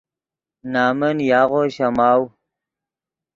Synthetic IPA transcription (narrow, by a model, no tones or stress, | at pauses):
naːmənjaːɣoɕamaːw